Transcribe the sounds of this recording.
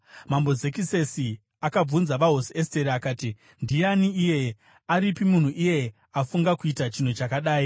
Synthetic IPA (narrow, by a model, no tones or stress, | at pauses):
mambo̞ze̞kise̞si | akab͡vunzaʋaɦosie̞ste̞ɾiakaːti | ndijaniːje̞ | aɾipimun̤uʔije̞ | afuŋɡakuitat͡ʃin̤ot͡ʃakaɗaːi